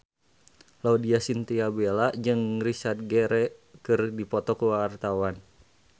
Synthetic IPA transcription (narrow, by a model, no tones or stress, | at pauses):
laudiasint̪iabelad͡ʒɨŋrisard̪̚ɡɛɾɛkɨrdipɔt̪ɔkuwaːrt̪awan